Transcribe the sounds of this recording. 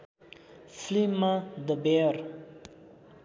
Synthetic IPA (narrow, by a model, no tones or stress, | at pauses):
flimad̪əbeɾ